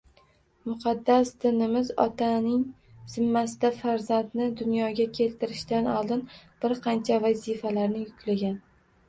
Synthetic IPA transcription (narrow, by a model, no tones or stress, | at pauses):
mʊqʰɑd̪ːasd̪ɪnɪmɪzɒ̰t̪ʰanɪŋ | z̥ɪmːasɪd̪afaɾzand̪nɪd̪ʊnjɒɡʲakʲʰe̞lt̪ʰɪɾɪʃt̪anɒlˠd̪ɪnb̥ɪɾqʰɑnt͡ʃʰavazɪfalaɾnɪjʊkʲlaɡʲan